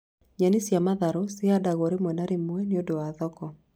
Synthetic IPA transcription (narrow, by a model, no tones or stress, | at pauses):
ɲanisjamaðaɾosɪadaɣɔɾemwɛnaɾemwɛneodoaðɔkɔ